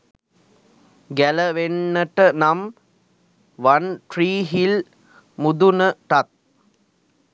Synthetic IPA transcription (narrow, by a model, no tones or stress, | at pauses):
ɡæləʋenːəʈənam | ʋanʈɾiːɦil | mud̪unəʈat̪̚